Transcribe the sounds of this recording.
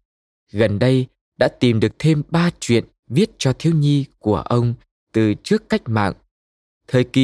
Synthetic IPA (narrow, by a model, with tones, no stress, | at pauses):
ɣə˨˩nɗə˧j | ɗa̰ː˧˥t̪i˨˩mɗɨ˨˩ək̚t̪ʰe˧mɓaː˧t͡ɕwḭ˧˨ən | vi˦˥ət̚t͡ɕɔ˧t̪ʰi˨˦əwɲi˧ku˧˩əʔə˧wŋ͡m | t̪ɨ˨˩t͡ɕɨ˦˥əkːa˦˥jk̟̚ma̰ː˧˨ŋ | t̪ʰəː˨˩jki˨